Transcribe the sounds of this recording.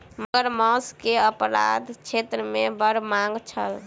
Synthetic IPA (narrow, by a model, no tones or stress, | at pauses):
məɡəɾmɔ̃skeəpɾa̰d̪t͡ʃʰet̪ɾəmebəɾmaŋɡt͡ʃʰəl